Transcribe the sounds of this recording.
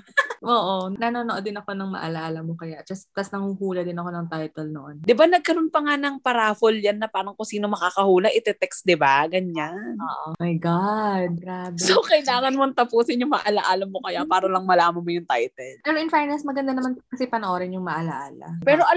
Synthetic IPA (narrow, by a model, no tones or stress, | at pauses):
ʔoːʔonɐnoːnoʔod̪ɪnɐko̞nɐŋmɐ̰ʔa̰laʔalɐmokɐjaʔd͡ʒɐst̪ɐsnɐŋuhuːlɐd̪ɪnɐko̞nɐŋt̪ajt̪ɛlnoʔond̪ɪbanɐɡ̚kɐɾo̞npɐŋanɐŋpɐɾaːfoljanːɐpaːɾɐŋkʊŋsiːno̞mɐkaːkɐhuːlɐʔɪt̪ɛt̪ɛksd̪ɪbaɡɐɲannoːʔomajɡad̪̚ɡɾaːbɛsowkɐʔɪlaːŋɐnmoɐŋt̪ɐpuːsɪnjʊŋmɐʔɐlaʔaːlɐmokɐjaʔpaːɾɐlɐŋmɐlaːmɐnmojʊŋt̪ajt̪ɛlpɛːɾoʔɪnfajnɛsmɐɡɐnd̪anɐmanɐkɐsɪpɐnɐʔoɾɐnjʊŋmɐʔɐlaʔaːlɐ̰pɛːɾo̞ʔɐ